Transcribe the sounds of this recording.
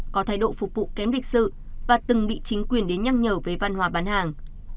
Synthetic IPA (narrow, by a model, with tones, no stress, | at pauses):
kɔ˨˦t̪ʰaː˧˩jɗo̰˧˨fʊ˨˩k͡p̚vṵ˧˨kɛ˨˦mli˨˩k̟̚sɨ̰˧˨ | vaː˨˩t̪ɨ˨˩ŋɓḭ˧˨t͡ɕï˨˦ŋ̟kwi˨˩ənɗe˨˦nɲa˧ŋɲəː˨˩wveː˨˦jva˧˩nɦwaː˨˦ɓaː˨˦nhaː˨˩ŋ